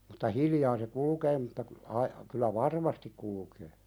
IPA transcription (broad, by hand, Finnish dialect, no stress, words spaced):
m̥u̥tːɑ hiljɑː se kulukeː mutːɑ ku ɑi kylˑæ ʋɑrmɑstik kulkeː